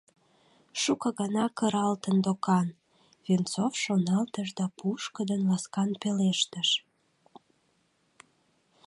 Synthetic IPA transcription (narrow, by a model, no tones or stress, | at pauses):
ʃukəɣɑnɑkəɾɑlt̪ənd̪okɑn | βent͡sofʃonɑlt̪əʃd̪ɑpuʃkəd̪ənlɑskɑnpeleʃt̪əʃ